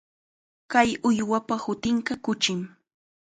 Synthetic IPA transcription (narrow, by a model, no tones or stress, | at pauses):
kajʊjwapahʊt̪ɪɴkɑkʊt͡ʃɪm